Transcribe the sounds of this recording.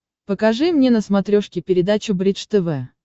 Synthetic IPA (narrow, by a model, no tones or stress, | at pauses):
pəkɐʐɨmnʲenəsmɐt̪ɾʲoʂkʲɪpʲɪɾʲɪd̪at͡ɕʊbɾʲit͡ʂt̪ɛvɛ